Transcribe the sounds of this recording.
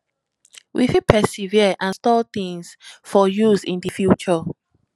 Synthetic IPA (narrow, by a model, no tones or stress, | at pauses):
wʔḭfipʰɛsiviəʔãnstɔlt̪ĩŋsfɔjuzĩndifjut͡ʃɔ